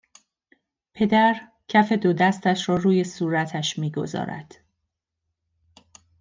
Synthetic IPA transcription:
pʰe̞d̪æɾ | cʰæfe̞d̪od̪æst̪æʃɾɒːɾuːje̞suːɾæt̪ʰæʃmiːɡo̞̰zɒ̰ːɾæ̰d̪̥

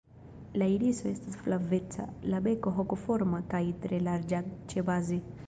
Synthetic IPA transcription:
lailisoestasflavet͡sa̰labekoɦokofɔɾmakajt̪ɾelaɾd͡ʒat͡ʃebazi

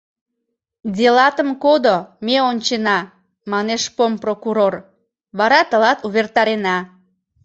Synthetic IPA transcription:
dʲelɑt̪əmkod̪omeonʲt͡ɕenɑ | mɑneʃpomprokuɾor | βɑɾɑt̪əlɑt̪uβert̪ɑɾenɑ

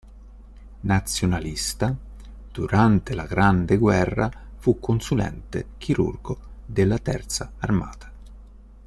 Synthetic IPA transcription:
nat̪sːjonalist̪a | d̪̥uɾant̪elaɡɾand̪eɡwɛrːafukːonsulɛ̰nt̪ḛk̟ʰiɾṵrɡod̪elːat̪ɛ̰rt̪saːrma̰ːt̪ʰḁ

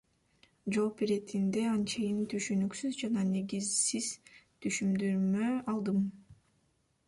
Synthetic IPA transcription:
d͡ʒolˠpiɾet̪ʰind̪e̞ɑnt͡ʃejint̪ʰyʃynyksyzd͡ʒɑnɑne̞ɡizsiz̥t̪ʰyʃymd̪yɾmøɑlˠd̪ɯm

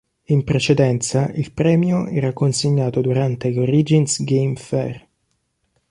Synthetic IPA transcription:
impɾet͡ʃed̪ɛnt̪saʔilpɾɛːmjoɛ̰ːɾakːonseɲːaːt̪od̪uɾant̪eɡoɾid͡ʒinsɡejmfɛr

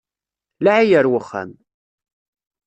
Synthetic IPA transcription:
laʕijəɾwəχːæ̰m

